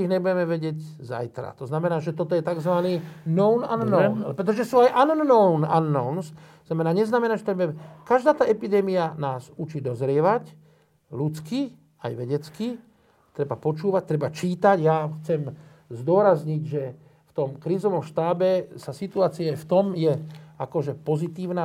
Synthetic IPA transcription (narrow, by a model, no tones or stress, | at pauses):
iɣɲɛbuɟɛmɛʋɛɟɪɛɟza̰jt̪ɾa̰t̪ɔznamɛnaːʒɛt̪ɔt̪ɔjɛt̪aɡzʋaniːnɔʊnanːɔʊnpɾɛt̪̬ɔʒɛsuːajʔanːɔʊna̰nːɔʊnsɔznamɛnaːɲɛznamɛnaːʒɛt̪ɔɲɛbʊɛmɛkaʒd̪aːt̪aːʔɛpid̪ɛːmianaːzut͡ʃiːd̪ɔzɾɪɛʋac | lut͡ski | a̰jʋɛɟɛt͡ski | t̪ɾɛbapɔt͡ʃuːʋac̚t̪ɾɛbat͡ʃiːt̪aɟjaxt͡sɛm | zd̪ʊɔɾazɲiɟʒɛ | ft̪ɔmkɾiːzɔʋɔmʃt̪aːbɛsasit̪uaːt͡siaaft̪ɔmjɛakɔʒɛpɔzit̪iːʊnaː